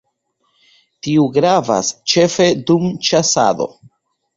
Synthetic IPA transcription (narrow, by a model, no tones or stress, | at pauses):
tiuɡɾava̰st͡ʃe̞fe̞dumt͡ʃasa̰do̞̰